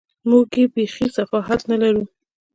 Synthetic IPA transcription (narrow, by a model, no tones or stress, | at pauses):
muɡjebexisafɑɦat̪nalaɾu